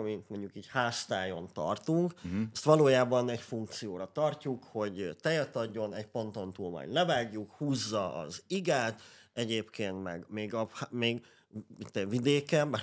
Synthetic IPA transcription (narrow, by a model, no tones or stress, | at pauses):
mint̪mo̞ɲɟukiːchaːst̪aːjo̞nt̪ɒ̰rt̪uŋkst̪ʋɒloːjaːbɒnɛcfuŋk̚t̪sijoːɾɒt̪ɒrcukho̞ɟt̪ɛjɛt̪ɒɟːo̞nɛcpo̞nt̪o̞nt̪uːlmɒ̰jdlɛvaːɡjukhuːzːɒʔɒ̰ziɡaːt̪ɛɟeːpkeːnt̪mɛ̰ɡmeːɡɒhameːɡ | it̪ːvid̪eːkɛmbɛ